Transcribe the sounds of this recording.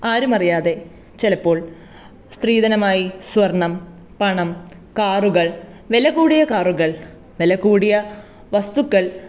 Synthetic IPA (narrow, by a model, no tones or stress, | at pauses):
aːɾumɐrijaːðe̞ | t͡ɕelɐpːo̞ːɭ | st̪riːðɐnɐmaːjisʋɐrɳɐm | pɐɳɐm | kaːruɣɐɭ | ʋelɐɣuːɽijɐkaːruɣɐɭ | ʋelɐkːuːɽijɐ | ʋɐst̪ukːɐɭ